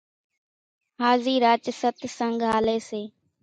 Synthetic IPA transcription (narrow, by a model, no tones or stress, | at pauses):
ɦaːziːɾaːt͡ʃsət̪səŋɡʱɦaːleːseː